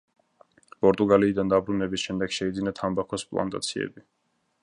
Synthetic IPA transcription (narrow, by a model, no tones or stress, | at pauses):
pʼɔɾt̪ʼuɡaliːd̪and̪abɾunɛbisʃɛmd̪ɛɡ̥ʃɛid̪zinat̪ʰambakʰɔspʼlˠa̰nt̪ʼa̰t̪sʰiɛ̰bi